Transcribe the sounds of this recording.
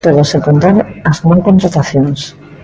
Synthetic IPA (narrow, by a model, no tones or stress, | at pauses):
t̪oðoseŋkont̪aɾaznaŋkont̪ɾat̪aθjons